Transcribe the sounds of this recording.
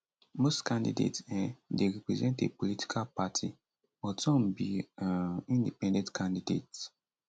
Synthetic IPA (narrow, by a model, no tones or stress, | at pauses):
mostkãndḭdḛtsɛ̃deɾipɾɛzɛ̃ntḛpoliti̥kʰalpatʰi | ɔtɔ̃mbiaĩndipɛ̃ndɛ̃ntkʰãndidḛt